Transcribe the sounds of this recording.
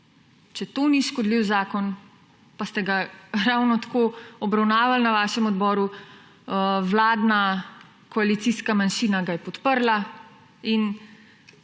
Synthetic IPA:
t͡ʃɛt̪oniʃkɔd̪liwzaːkɔn | past̪ɛɡaɾawnɔt̪ḁkoːɔbɾawnaːʋalnaʋaːʃɛmɔd̪bɔːɾu | wlaːd̪na | kɔalit̪siskamanʃiːnaɡajɛpɔt̪pəɾla | in

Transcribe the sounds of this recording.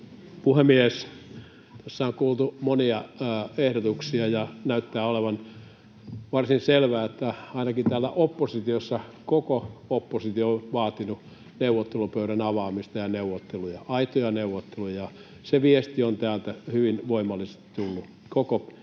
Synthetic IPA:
puhemːies | t̪æsːæoŋkuːlt̪umoniɑehɾot̪uksiɑjɑnæyt̪ːæːoleʋɑn | ʋɑrsinselʋæːet̪ːæɑinɑkit̪ælːæʔopːosit̪iosːɑkokoopːosit̪iooʋɑːt̪inu | neuʋːˑot̪ːelupøyɾænɑʋɑːmist̪ɑjɑneuwˑot̪ːelujɑɑit̪ojɑneuʋot̪ːelujɑ | seʋiest̪iont̪æːlt̪æhyʋinʋoimɑlːˑise̥st̪i̥t̪ulːu | koko

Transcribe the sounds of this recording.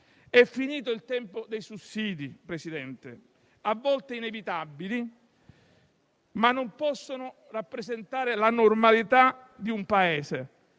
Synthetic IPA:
ɛfːiniːt̪ʊilt̪ɛmpod̪ejsusːiːd̪ipɾesid̪ɛnt̪e | avːɔlt̪einevit̪abːili | manːompɔsːonʊ | rapːɾezent̪aːɾɪlanormalit̪ad̪iumpaɛːse

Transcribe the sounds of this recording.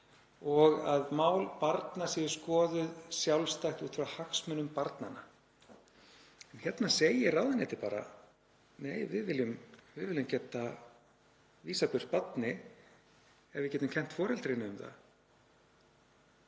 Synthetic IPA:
ɔɣaðmaːwlpaɾt̪nasiðʏ̥skɔːðʏðsjawlst̪ajxt̪uːt̪fɪɾahaxsmʏnʏmpaɾt̪nana | ɛnçjɛt̪naseːjɪraːwðanɛt̪ɪpaːɾa̰ | neːjvɪðvɪlʏmvɪðvɪlːʏmcɛt̪ːa | viːsapʏr̥pat̪nɪ | ɛɾvɪcɛːt̪ʏmcʰɛm̥t̪fɔːɾɛlt̪ɾɪnːɪʏmθa̰

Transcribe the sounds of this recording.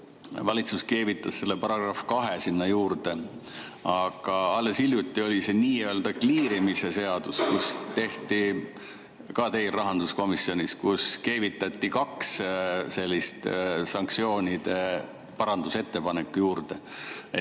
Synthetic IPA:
vɑlʲit̪suske̞ːvit̪ːˑɑsse̞lːe̞pɑɾɑɡ̥rɑfkɑɦesinːɑjuːɾd̪̥e̞ | ɑɡ̥ɑɑlːe̞silʲjut̪ːˑio̞lʲise̞niːø̞ːld̪ɑkliːɾimise̞se̞ɑd̪̥uskust̪e̞ht̪i | kɑt̪e̞jlrɑɦɑnd̪̥usko̞misːio̞nʲiskuske̞ːvit̪ːˑɑt̪ːˑikɑksse̞lʲːist̪sɑŋkt̪sio̞ːnʲid̪̥e̞ | pɑɾɑnd̪̥use̞t̪ːe̞pɑnekːujuːɾd̪e̞

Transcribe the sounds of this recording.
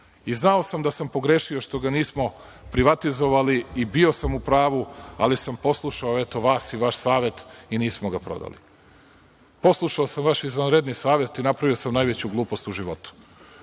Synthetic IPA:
iznao̞samd̪asampo̞ɡɾeʃio̞ʃt̪o̞ɡaniːsmo̞ | pɾiʋat̪izo̞ʋaliːbio̞samupɾaːʋua̰lisampo̞slˠuʃaoet̪o̞ʋaːsiʋaʃsaːʋe̞t̪iniːsmoɡapɾo̞̰d̪a̰lḭ | po̞slˠuʃaosamʋaʃizʋanɾe̞d̪nisaːʋe̞t̪inapɾaʋiosamnajʋe̞t͡ɕuɡlˠuːpo̞st̪uʒiʋo̞t̪u̥

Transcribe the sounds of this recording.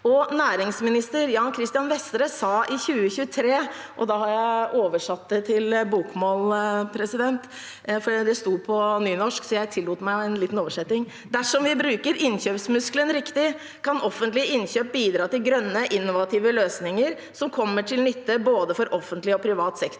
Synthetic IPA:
ɔnæːɾɪŋsmɪnɪst̪əɾjɑːŋkʰɾɪst̪ɪjɑnʋɛst̪ɾəsɑːʔɪçʉːəçʉːət̪ʰɾeː | ʔɔd̪ɑhɑɾjæɪʔoːʋəʂɑt̪ːət̪ʰɪlbuːkmoːlpʰɾɛsɪd̪ɛnt̪ | fɔɖid̪ɛst̪uːpʰɔnyːnɔʂksɔjæɪt̪ʰɪlːuːt̪mæɪɛnliːt̪n̩oːʋəʂɛt̪nɪŋ | d̪æʂɔmʋɪbɾʉːkəɾɪnçøːpsmʉsklənɾɪkt̪ɪ | kʰɑnʔɔfːənt̪lɪəɪnçøːp̚biːd̪ɾɑːt̪ɪlɡɾœnːəʔɪnːʊʋɑt̪ʰiːʋəløːsnɪŋəɾ | sɔmkʰɔmːəʈʰɪlnʏt̪ːəboːd̪əfɔɾʔɔfːənt̪lɪɔpʰɾɪʋɑːt̪sɛkt̪

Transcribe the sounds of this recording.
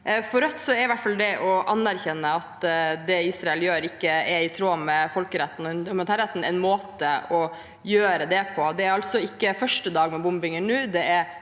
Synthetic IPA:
fɔɾɔt̪sɔɛɾɪʋæʈːfɑld̪ɛʔɔʔɑnːæɾçɛnːəɑt̪d̪ɛiːsɾɑɛljøːɾɪkːəɛɪt̪ʰɾoːmɛfɔlkəɾɛt̪ːnnmnt̪ʰɑːɾɛt̪ːn̩ɛ̰ɪnmoːt̪əʔɔ | jøːɾəd̪ɛpʰɔd̪ɛæɾɑlt̪sɔɪkːəfœʂʈəd̪ɑːɡmɛbʊmbɪŋənːʉːd̪ɛæɾ

